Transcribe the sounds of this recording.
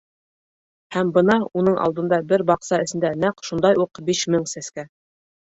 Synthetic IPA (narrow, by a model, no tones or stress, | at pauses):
hæmbɤ̆nɑun̪ɤɴʔɑ̰lˠd̪ɤ̆nd̪ɑbɘɾbɑqsɑɘ̆sɘ̆nd̪ænæqʃund̪ɑjuqbiʃmɘŋsæskæ